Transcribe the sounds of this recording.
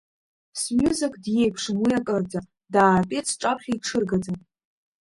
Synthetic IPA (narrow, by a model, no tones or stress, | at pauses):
smʲjuzɪkʰʼdje̞jpʰʂɨmwijakʼərd͡za | daːrpʲʼet͡sʰʈ͡ʂʼapʰχʲaiʈ͡ʂʰɨrɡad͡zan